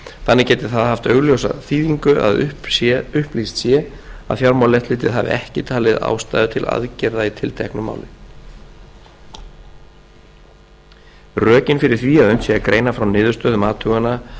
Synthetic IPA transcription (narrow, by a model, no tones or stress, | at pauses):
θanːɪcɛːt̪ɪ̥θaðaɦaft̪œɣljowsa̰θiːðiŋkʏʔa̰ðʏpʏhplist̪sjɛ | a̰ðfjawɾmawlɛht̪lɪːt̪ɪðɦavɪ̰ɛhcɪt̪ʰaːlɪða̰ːwst̪aːjðʏt̪ʰɪlʔa̰ðcɛɾðait̪ʰɪlt̪ʰɛhknʏma̰wlɪ | rœːcɪnfɪɾɪɾ̥θviːaðʏɥnt̪sjɛakɾeːjnafɾawnɪːðʏɾ̥st̪œːðʏmaːt̪ʰʏɣana